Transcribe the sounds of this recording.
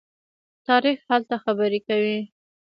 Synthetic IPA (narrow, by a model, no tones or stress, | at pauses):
t̪ɑɾixhalt̪axabəɾekawi